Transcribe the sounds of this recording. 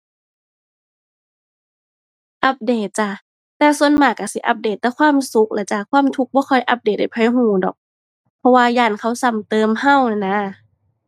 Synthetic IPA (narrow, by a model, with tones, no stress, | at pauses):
ʔa˧˦p̚deː˨˩t̪̚t͡ɕa˧ | t̪ɛː˧˩su˧ənmaː˧˩ka˧˩si˧˦ʔa̰˧˦p̚deː˧˩t̪ːɛː˧kʰwaː˧˥˨msu˧˦˥k̚lʔa˧˩t͡ɕaː˧˩kʰwaː˧˥˨mt̪ʰu˧˦k̚bɔː˧˥˨kʰɔ˧˩jʔa˧˦p̚deː˨˩t̪̚da˧˩jpʰɔː˧˨jɦuː˧˩dɔ̰ː˨˩k̚ | pʰɔ˧waː˧jaː˧˩nkʰa˧˥˩wsa˧˩mt̪ɤː˧mha˧˥˩wna˧˩na˧˥˨